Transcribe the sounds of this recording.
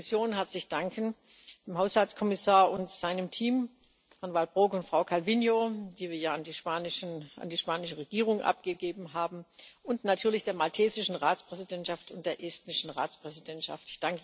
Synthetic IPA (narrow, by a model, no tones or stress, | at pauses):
sjoːnɦɛɐt͡slɪçd̥aŋkən | d̥emɦaʊshalt͡sskʰɔmɪsaːɐʔʊntz̥aɪnəmtʰiːm | hanvalbʁoːkʊntfʁ̥aʊkʰalvinjoːd̥iːviːɐjaːandiːʃpaːnɪʃna̰ndiːʃpaːnɪʃəʁeɡ̥iːʁ̞ʊŋʔa̰p̚ɡ̥əɡeːbm̩ɦaːbm̩ʔʊntnatʰyːɐlɪçd̥eːɐmaltʰeːzɪʃn̩ʁaːt͡spʁ̥ɛzidɛntʃaftʊntd̥eːɐʔɛstnɪʃn̩ʁa̰ːt͡spʁ̥ɛzidɛntʃa̰ftɪçd̥aŋkə